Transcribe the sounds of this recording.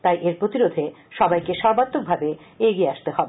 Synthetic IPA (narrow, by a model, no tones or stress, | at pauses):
t̪ajʔeɾpɾot̪iɾod̪ʱe | ʃɔbajkeʃɔɾbat̪ːok̚bʱabe | eɡieaʃt̪eɦɔbe